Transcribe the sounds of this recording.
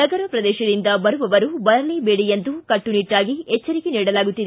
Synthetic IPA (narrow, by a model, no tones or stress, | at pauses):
ɐɡɐɾɐpɾɐd̪ɛːʃɐd̪ind̪ɐbɐɾuʋɐʋɐɾubɐlɐɾliːbeːɽijɐnd̪ukɐʈːuniʈːaːɡiɛt͡ʃːɐɾikiniːɽɐlaːɡut̪ːini